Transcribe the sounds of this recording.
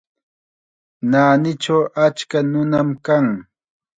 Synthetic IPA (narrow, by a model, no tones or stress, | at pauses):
naːnɪt͡ʃawʔat͡ʃkanʊnamkaŋ